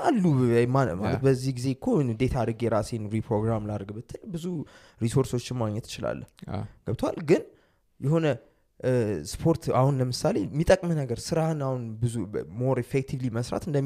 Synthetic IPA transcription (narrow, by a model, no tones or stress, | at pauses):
alːujmamalət̪bəzːihɡize̞kʰːod̪e̞t̪ʰad̪əɡjɛɾasenɾipʰɾo̞ɡɾamlaɾɡbɨt̪ʰːɨlbɨzu | ɾiso̞ɾso̞t͡ʃːɪnmaɡɲɛt̪ːɪ̥t͡ʃɪla̰lːə̰hɡ̥əbt̪ʰəwa̰lɡɨn | jɛho̞nə | spʰo̞ɾt̪ahunləmɨsale̞mːit̪ʼəkʼmɨnəɡəɾsɨɾahɨnahunbɨzumo̞ɾefek̚t̪ʰivliməsɾa̰t̪ɨnd̪əm